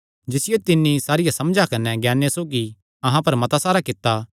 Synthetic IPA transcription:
d͡ʒɪsɪjot̪ɪnːisaːɾɪjasɐmd͡ʒakɐnːɛɡɛːnːesoːɡi | ɐɦãpɐɾmɐt̪asaːɾakɪt̪ːa

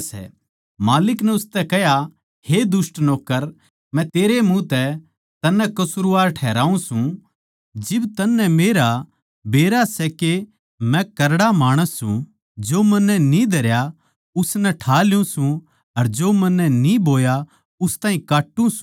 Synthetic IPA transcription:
sɛ̰ | maːlɪknɛ̃ʊst̪ɛkɛɦja | hed̪ʊsʈnɔːkːəɾ | mɛ̃t̪eːɾemũt̪ɛ | t̪ɐnːɛ̃kɐsʊɾuʋaːɾʈʰɛːɾaːũsũ | d͡ʒɪbt̪ɐnːɛmeːɾa | beːɾasɛke | mɛ̃kɐɾɽamaːɽ̃əsːṵ̃ | d͡ʒoːmɐnːɛnĩd̪ʱɐɾja | ʊsnɛʈʰaːljũsũ | ɐɾd͡ʒoːmɐnːɛniboːja | ʊst̪aːĩkaːʈːũs

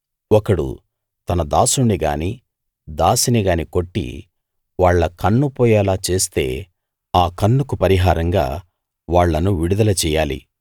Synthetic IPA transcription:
ɔkɐɽṵ | t̪ɐnɐd̪aːsuɳːiɡaːni | d̪aːsiniɡaːniko̞ʈːḭ | ʋaːɭːɐkɐnːupɔːjɛːlaːt͡ʃe̞ːst̪e̞̰ː | aːkɐnːukupɐɾiɦaːɾɐŋɡa̰ː | ʋaːɭːɐnuʋiɽud̪ɐlɐt͡ʃɛːjaːlḭ

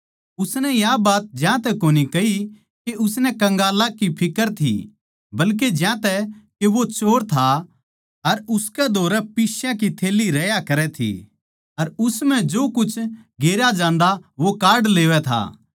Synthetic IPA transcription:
ʊsnɛjabaːt̪̚d͡ʒjãt̪ɛkoːnikɐi | keʊsnɛkɐ̃ŋɡaːlakipʰɪkəɾt̪ʰḭ | bɐlk̬ed͡ʒjãt̪ɛkeʋot͡ʃoːɾt̪ʰa | ɐɾʊskɛd̪ʱoːɾɛpɪʃjãkit̪ʰeːlːiɾɛjakɐɾɛt̪ʰḭ | ɐɾʊsm̤ɛ̃d͡ʒoːkʊt͡ʃʰɡeːɾjad͡ʒãːnd̪aʋokaːɾɖleːʋɛt̪ʰa̰ː

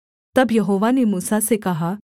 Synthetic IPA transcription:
t̪ɐbjɐɦoʋanemuːsasekaɦa

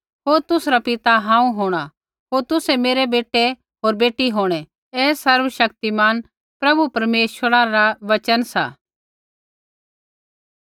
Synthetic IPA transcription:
ɦoːɾt̪ʊsɾapɪt̪aɦãːũɦoːɽ̃a | ɦoːɾt̪ʊsɛmeːɾebeːʈe | ɦoːɾbeːʈiɦoːɽ̃ɛ | ɛːsɐɾʋəʃɐkt̪imaːn | pɾɐbupɐɾmeːʃəɾaɾaʋɐt͡ʃənsa̰ː

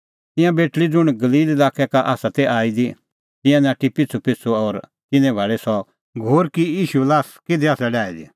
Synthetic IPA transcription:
t̪ɪ̃jãbeːʈlid͡zʊɽ̃ɡɐliːlɪlaːkʰɛkaʔaːsat̪ɛʔaːid̪i | t̪ɪ̃jãnãːʈipɪt͡sʰupɪt͡sʰuɔːɾt̪ɪnɛ̃bʱɐːɭɛsɔ | ɡʱoːɾkijiːʃulaːskɪd̪ɛaːsɛɖaːid̪ḭ

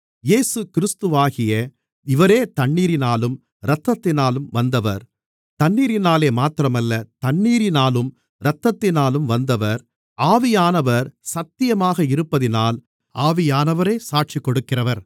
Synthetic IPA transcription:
jeːsɯkɪɾɪst̪ɯʋaːɣɪjɐ | ɪʋɐɾeːt̪ɐɳːiːɾɪnaːlɯm | ɾɐt̪ːɐt̪ːɪnaːlɯmʋɐnd̪ɐʋɐ̰ɾ | t̪ɐɳːiːɾɪnaːleːmaːt̪ɪɾɐmɐlːɐt̪ɐɳːiːɾɪnaːlɯm | ɾɐt̪ːɐt̪ːɪnaːlɯmʋɐnd̪ɐʋɐɾ | aːʋɪjaːnɐʋɐɾsɐt̪ːɪjɐmaːɣɐɪɾɯpːɐðɪnaːl | aːʋɪjaːnɐʋɐɾeːsaːʈ̚t͡ʃikːɔɽɯkːɪrɐʋɐɾ

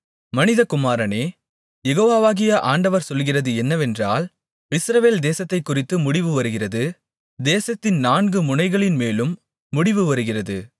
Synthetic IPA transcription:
mɐnɪðɐkʊmaːɾɐneː | jɛɣoːʋaːʋaːɣɪjɐʔaːɳɖɐʋɐɾsɔlɣɪrɐðɯɛnːɐʋɛndraːl | ɪsɾɐʋeːld̪eːsɐt̪ːɐɪkːʊrɪt̪ːɯmʊɽɪʋɯʋɐɾɯɣɪrɐðɯ | d̪eːsɐt̪ːɪnnaːnɡɯmʊnɐɪɣɐɭɪnmeːlɯmː | ʊɽɪʋɯʋɐɾɯɣɪrɐðɯ

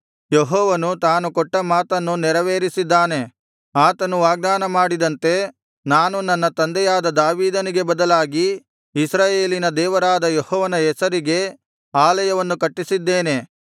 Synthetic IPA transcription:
jeɦɔːʋɐnut̪aːnukɔʈːɐmaːt̪ɐnːunɛɾɐʋeːɾisid̪ːaːne̞ | aːt̪ɐnuʋaːɡ̚d̪aːnɐmaːɽid̪ɐnt̪e̞ | naːnunɐnːɐt̪ɐnd̪ɛjaːd̪ɐd̪aːʋiːd̪ɐniɡe̞bɐd̪ɐlaːɡiː | sɾaːje̞ːlinɐd̪ɛːʋɐɾaːd̪ɐjehɔːʋɐnɐɛsɐɾiɡe̞ | aːlɐjɐʋɐnːukɐʈːisid̪ːeːne̞

